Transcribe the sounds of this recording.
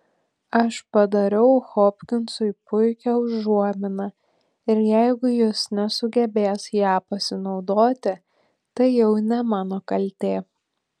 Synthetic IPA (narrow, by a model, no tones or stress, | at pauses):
ɐʃpɐd̪ɐɾʲɛʊxoːpʲkʲɪnsʊɪpʊɪkʲɛʊʒːuɔmʲɪnɐ | ɪɾjɛɪɡʊjɪsnʲɛsʊɡʲɛbʲeːsjæːpɐsʲɪnɒʊd̪oːt̪ʲɪ | t̪ɐɪjɛʊnʲɛmɑːnoːkɐlʲt̪ʲeː